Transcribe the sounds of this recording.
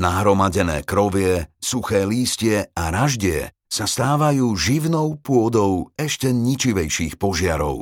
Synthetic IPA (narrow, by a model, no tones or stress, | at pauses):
naɦɾɔmaɟɛnɛ̰ːkɾɔʋɪɛsuxɛːliːscɪɛaɾaʒɟɪɛ̰ | sast̪aːʋajuːʒiʋnɔʊpʊɔd̪ɔʊɛʃcɛɲit͡ʃiʋɛjʃiːxpɔʒɪaɾɔ̰ʊ